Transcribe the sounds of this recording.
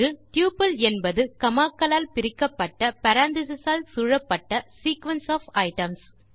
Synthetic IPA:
ɯt̪juːpɐlɛnbɐðɯkɐmaːkːɐlaːlpɪɾɪkːɐpːɐʈːɐpɐɾaːnt̪ɪs̬ɐsaːlsuːɻɐpːɐʈːɐsiːkʋɐnsaːfɐɪʈɐms

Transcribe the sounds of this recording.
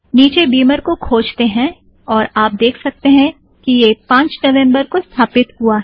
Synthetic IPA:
niːt͡ʃebiːməɾkokʰoːd͡ʒt̪eɦɛ̃ | ɔːɾaːp̚d̪eːkʰsɐk̚t̪eɦɛ̃ | kijepãːɲt͡ʃnɐʋɛ̃mbəɾkost̪ʰaːpɪt̪ɦuaɦɛ

